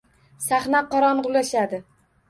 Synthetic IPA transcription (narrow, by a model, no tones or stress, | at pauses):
saχnaqɒɾɒnʁʊlaʃad̪ɪ